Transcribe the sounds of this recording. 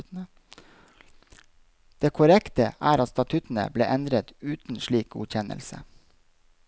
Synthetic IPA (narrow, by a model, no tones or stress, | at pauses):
d̪̥eːkʰʊɾɛkt̪əʔæːɾɑt̪st̪ɑt̪ʰʉt̪n̩ə̰blḛːʔɛnd̪ɾət̪ʉːt̪n̩ʃɭiːk̚ɡṵːçɛnʔə̰lsə̰